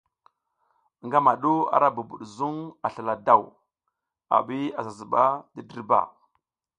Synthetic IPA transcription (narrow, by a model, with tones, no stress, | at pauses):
ŋɡa˦ma˨ɗu˦a̰˨ɾa˦bu˨bṵ˨ɗzu˦ŋa˨ɬa˨la˨da˦˨w | a̰˨ɓi˦a˨za˨zu˨ɓa˦di˦di˦ɾba̰˨